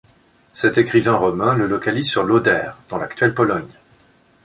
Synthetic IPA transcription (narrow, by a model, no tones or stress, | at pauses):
sɛt̪ekχivɛ̃ʁɔmɛ̃ləlɔkalizsyʁlod̪ɛːʁd̪̥ɑ̃la̰kt̪ɥɛlpɔlɔɲ